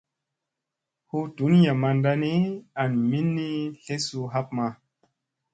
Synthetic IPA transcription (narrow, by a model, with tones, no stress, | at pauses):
hu˦tu˨˦nja˨ma˧nda˧ni˦a˨nmi˦nːi˦ɬe˦su˧ɦa˦p̚ma˧